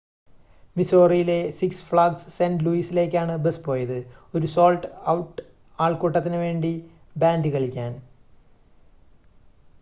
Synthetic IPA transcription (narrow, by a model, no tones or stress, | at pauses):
miso̞ːrijile̞siksfɭaːɡsːendluiːsile̞ːk̬ʲːaːɳɨbespo̞ːjɐðɨo̞ɾuso̞ːlʈɐwʈ | aːɭkoːʈːɐt̪ːinɨʋe̞ːɳɖi | baːndɨkɐɭikʲːaːn